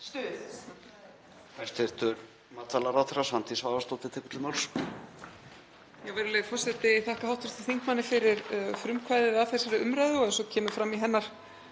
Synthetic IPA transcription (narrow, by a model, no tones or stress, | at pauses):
st̪œ | fʰɛr̥t̪ɛɾ̥t̪ʏɾ | maːt̪alaɾaθɪɾasant̪isvaːvast̪oːt̪ɪt̪ʰɛkʏt̪ʰɪlmawls | jɛɣvɛjɾʏleðfɔr̥sɛt̪ɪθahkaɦawht̪ʏɾ̥t̪i̥θiŋkmanːɪfɪɾɪɾfɾʏmkʰvajðɪɾaθɛsaɾɪʏmɾajðɪɔɛðsɔcʰɛːmʏfɾamːiɦɛnːaɾ̥